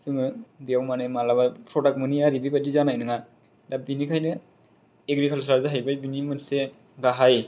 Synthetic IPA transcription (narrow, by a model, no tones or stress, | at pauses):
sɯŋɯbijawmanemalaβapʰɾɔdak̚mɯniaɾibibadizanajnɯŋa | dabinikʰajnɯ | eɡɾikʰals̬aɾzaɦajbajbinimɯnse | ɡaɦaj